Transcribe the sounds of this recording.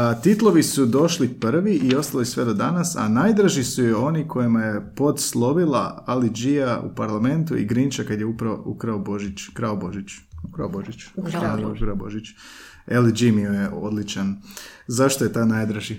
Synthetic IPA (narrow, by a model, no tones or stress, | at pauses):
t̪it̪lˠo̞ʋisud̪o̞ʃlipr̩ʋiʔio̞st̪alisusʋe̞d̪o̞d̪anasa̰najd̪ɾaʒisujeo̞nikʰo̞jimajepo̞d̪slˠo̞ʋilˠaalid͡ʒijaṵpaɾlˠamẽ̞nt̪uḭɡɾint͡ʃakad̪jeupɾaoukɾaobo̞ʒit͡ʃkɾaobo̞ʒit͡ʃukɾaboʒit͡ʃ | kɾaboʒit͡ʃ | elid͡ʒimiojeʔo̞d̪lit͡ʃanzaʃt̪ojet̪anajd̪ɾaʒi